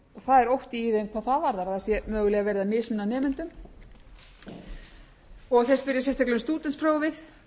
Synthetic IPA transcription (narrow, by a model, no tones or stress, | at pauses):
ɔɣθaðɛɾowht̪iiːðemkʰvaːðθaðvaɾðaɾðasjɛmœːɣʏlɛːɣavɛɾðamɪsmɪnːanɛːmʏnt̪ʏm | ɔɣθɛs̚pɪɾjɪs̬jɛst̪aklɛst̪uːt̪ɛnspʰɾoːwvɪð